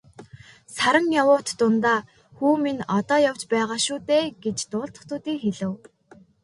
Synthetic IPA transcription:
saɾə̆ŋjawʊːt̪ːʊnt̪aː | xuːminɔt̪ɔːjawt͡ɕpæːʁaːʃʊːt̪eːɡet͡ɕt̪ʊːɮt̪ə̥̆χt̪ʊːt̪iːŋxeɮɘ̆w

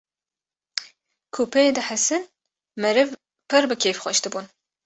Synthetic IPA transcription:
kʰuːpʰɐed̪ɨħɐsɨn | mɐɾɨv | pʰɨɾbɨkʲʰeːfχʷɐ̰ʃt̪ʰɨbun

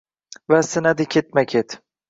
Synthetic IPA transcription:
vasɪnad̪ɪkʲʰet̪̚makʲʰet̪

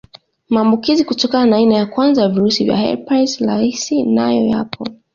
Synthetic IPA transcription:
maːmbukizikutɔkananaːinajakwanzajaviɾusivja̰hɛ̰ɾpaslaisina̰jɔ̰ja̰pʰɔ̰

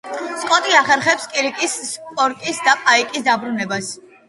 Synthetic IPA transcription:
skʼɔt̪ʼiaχɛɾχɛpskʼiɾikʼisːpʼɔɾkʼisd̪apʼaikʼisd̪abɾunɛbas

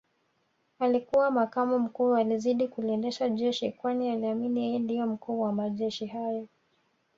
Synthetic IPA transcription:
alikuwamakamɔm̩kuːaliziɗikuliɛndɛʃaʄɛʃikwanialiaminijɛjɛndijɔm̩kuːwamaʄɛʃihajɔ

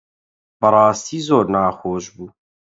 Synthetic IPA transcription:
bɐɾɑːst̪iːzoːɾnaːxoːʃbuː

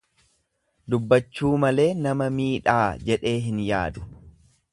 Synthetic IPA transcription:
d̪ʊbːɐt͡ʃːuːmɐle̞ːnɐmɐmiːᶑaːd͡ʒɛᶑe̞ːɦɪnjaːd̪ʊ̥

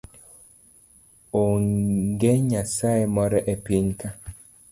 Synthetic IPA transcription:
oŋɡeɲasaemɔɾɛʔepiŋka

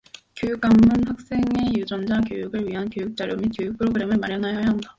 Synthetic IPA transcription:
kjojuk͈amːunɸak̚s͈e̞ŋe̞jud͡ʑʌnd͡ʑak̬jojuɡɯɭɥiɦankjojuk̚t͡ɕ͈aɾjomikjojuk̚pʰɯɾoɡɯɾe̞mɯɭmaɾjʌnɦajajaɦanda

